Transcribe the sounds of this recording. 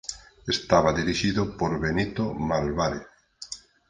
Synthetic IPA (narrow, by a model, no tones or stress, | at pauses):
est̪aβaðiɾiʃiðopoɾβenit̪omalβaɾeθ